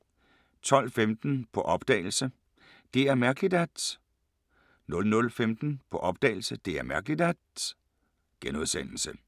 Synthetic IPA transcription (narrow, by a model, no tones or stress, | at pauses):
t͡sʰɒ̽l̰femd̥n̩pʰɒ̽ʔɒ̽b̥d̥ɛ̰ːɪl̩sə | d̥e̝æɐmæɐɡ̥lid̥æd̥ | nɔ̽lnɔ̽lfemd̥n̩pʰɒ̽ʔɒ̽b̥̚d̥ɛ̰ɪl̩səd̥e̝æɐmæɐɡ̥lid̥æd̥ | ɡ̥enuðˠsen̰l̩sə